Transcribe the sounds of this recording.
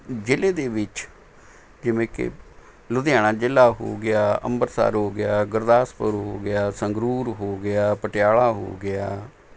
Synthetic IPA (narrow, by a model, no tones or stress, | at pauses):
d͡ʒɪleːd̪eːʋɪt͡ʃ | d͡ʒɪʋẽːkɪ̰ | lʊd̪ɪjaːɽ̃aːd͡ʒɪlːaːɦo̰ːɡɪjaːə̰mbəɾsa̰ːɾɦoːɡɪjaːɡəɾd̪aːspəɾɦoːɡɪjaːsəŋɡɾuːɾɦoːɡɪaːpəʈɪjaːɭaːɦo̰ːɡɪjaː